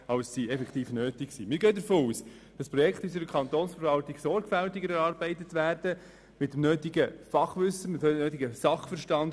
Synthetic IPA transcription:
ɑwssiɛfɛkʰχt̪iːfnøːtɪksiːmɪɾɡœːd̪əɾfoːuːs | d̥ɑspɾɔjɛkχt̪ysəɾdəkʰɑnt̪oːnsfəɾvɑltɪɡsɔɾɡ̥fæltɪɡəɾɛɾɑːɾbɛɪtətʋæːrd̥ə | mɪtəmnøːtɪɡəfɑχʋʏsəmɪtːøːtɪɡəsɑχfəɾʃtɑnd

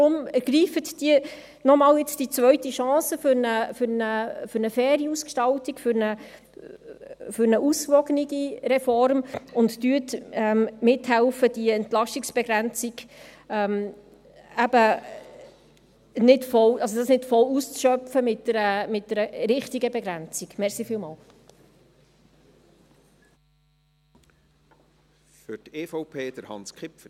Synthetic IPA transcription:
dɾʊməɡ̥riːfətd̥iə | nɔmɑːljɪt͡sd̥it͡svœɥtiʃɑ̃ːsəfʏɾnəfʏɾnəfʏɾnəfɛːɾiuskʃtɑltikfʏɾnə | fʏɾnəʔusvɔɡəniɡiɾɛfɔɾmʊnttyətɛmmɪthælfəd̥iɛntlɑʃtɪksb̥ɛɡɾænt͡siɡ̥ɛm | æbə | nɪtfɔlʔɑlsodɑsnɪtfɔlust͡sʃœfəmɪtɛɾəmɪt̚dɛɾəɾɪχtiɡəbɛɡɾænt͡siɡ̥mɛɾsifiːlmɑːl | fʏteːfɔʊpʰeːd̥əɾhɑ̰nskχɪpf

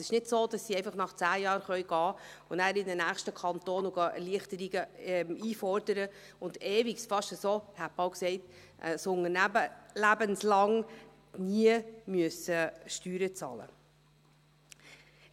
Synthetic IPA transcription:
sɪ̥ʃnɪdsoːd̥ɑsːiɛɪfɑχnɑχt͡sæːjɑːɾχœʏɡ̥ɑː | ʊnæːɾɪdənæːχʃtəkʰɑnt̪oːnuɡ̥ɑʔɛ̰ɾliəχtəɾiɡəɛmiːfɔɾdəɾə | ʊndeːviksfɑʃtəsoːhæpɑwksɛɪt | ʔəsʊŋənæbəlæbənslɑŋ | niəmyəsəʃtyːɾət͡sɑ̰ːlə̰

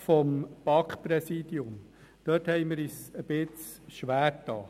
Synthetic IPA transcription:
fɔmb̥ɑkpɾɛsiːd̪iʊm | d̥œthɛɪmɪɾiːsəb̥ɪt͡s | ʃʋæːɾtɑː

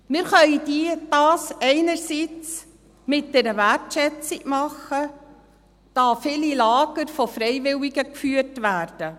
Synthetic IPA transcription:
mɪɾχœʏdiːd̥ɑːsɛɪnəɾsit͡s | mɪt̚d̥ɛːɾəvæɾtʃɛt͡sɪɡ̥mɑχə | d̥ɑːfiːlilɑːɡəɾfɔfɾɛɪvɪwiɡəkfyːərtvæːrd̥ə

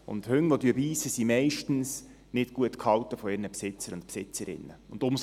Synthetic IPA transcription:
ʊ̰nthʏŋʋod̪yəbiːsəsimɛɪʃtn̩s | nɪtɡ̥uətkhɑwtəfɔɪɾnəpsɪt͡səɾʊntpsɪt͡səɾɪ̰nːəʊnd̥̪ʊm

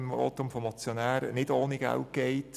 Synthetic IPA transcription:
mo̰t̪ːomfɔmɑt͡sjonæːɾnɪdoːniɡ̥æ̰lt̚ɡ̥ɛɪt

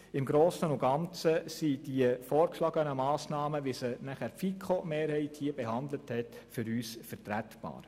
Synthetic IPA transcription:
ɪmɡɾoːsənʊɡ̥ɑnt͡səsid̥iəfɔːɾkʃlɑɡənəmɑːsnɑːməʋisənæχæɾfikʰχomeːɾhɛɪthiəbɛhɑndləthɛtfʏɾyːsfɛɾtɾætb̥ɑ̰ːɾ

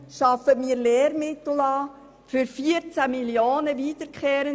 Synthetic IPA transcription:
ʃɑfətmiːɾleːɾmɪt̪l̩ɑː | fyɾfiəɾt͡sæmiljoːnəviːdəɾkχeːɾə

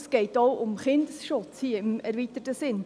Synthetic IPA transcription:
sɡ̥ɛɪtoʊʔʊmχɪnd̪əsʃʊt͡shiəɪmɛɾʋitətəsɪn

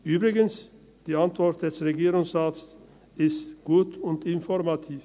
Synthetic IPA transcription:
ʔyːbʁɪɡəns | d̥iːantv̥ɔʁt̚d̥ɛsʁeɡiːʁʊŋsaːts | ɪstɡ̥uːtʊntɪnfɔʁmatʰiːf

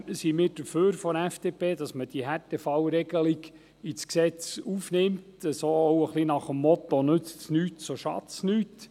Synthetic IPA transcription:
simɪːɾd̥əɾføːɾfɔɾɛfd̥eːpʰeːdɑsməd̥iəɦɛtɛfɑwɾɛɡəliɡ | it͡sksɛt͡sufnɪmtəsoːɔʊəχlinɑχəmːɔt̪ɔnɵt͡stsnyːtsoʃɑ̰tt͡snyːt

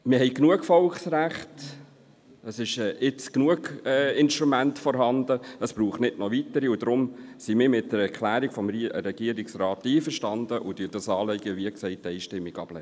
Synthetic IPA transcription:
mɪɦɛɪjknuəkfɔlksræχt | əsɪʃɛːʔɪt͡sknuəɡɛːɪnʃtɾumæntfɔɾɦɑndəəspɾuːχtnɪdnɔʋit̪əɾiʊd̥̪ɾʊmsimɪːɾmɪt̚d̥əɾɛɾkʰlæːɾikfɔmɾɛɡ̥iəɾɪksrɑːtːiːfəɾʃtɑnd̥̪əʔʊd̥ydɑsɑːleɪɡəʋiəksɛɪtːɛɪʃtɪmːiɡɑ̰b̥lɛ̰

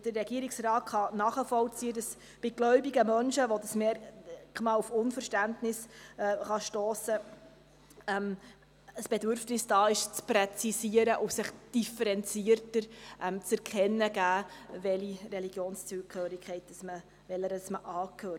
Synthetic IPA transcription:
d̥ərːɛɡiəɾɪksrɾɑːtχɑnɑːχəfɔlt͡siːədɑs | b̥ɪɡ̥lœɥbiɡəmœnʃəʋodəsmeːɾkmɑufʊnfəɾʃtæntnɪsχɑʃtɔːsə | ɛm | əsb̥ɛdʏɾfnɪsd̥ɑːɪʃt͡sprɛt͡sisiəɾəʔʊsɪχd̥ifəɾɛnt͡siəɾtəɾʔɛmt͡sɛɾkʰɛnːəɡæːvɛlirɛliɡjoːnst͡suːkøːɾɪkχɛɪt̚d̥ɑsmə | vɛləɾəsməʔɑːkʰhøː

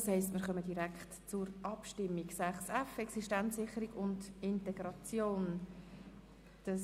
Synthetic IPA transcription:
shɛɪstmɪːɾχœməd̥iɾækχtt͡sʊɾʔɑpʃtɪmːiɡsæχsɛfɛksiʃtænt͡ssɪχəɾiɡʊndɪntɛɡɾɑt͡sjoːn | d̥ɑ

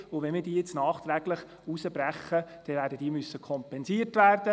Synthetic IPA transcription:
ʊʋɛnmiːdiːjɪt͡snɑːχt̪ɾæɡləχ | usəbɾɛχəd̥ɛʋæːɾdəd̥iːəmysːəkʰɔmpɛnsiːrtʋæːrd̥ə

